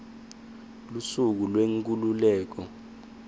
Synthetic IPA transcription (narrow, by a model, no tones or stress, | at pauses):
lusuk̬ulweŋk̬ʼululɛːk̬ɔ